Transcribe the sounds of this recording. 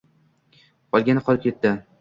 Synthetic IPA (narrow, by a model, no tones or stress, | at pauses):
bɒlˠɡʲanɪqʰɒlˠɪp̚kʲʰe̞t̪ːɪ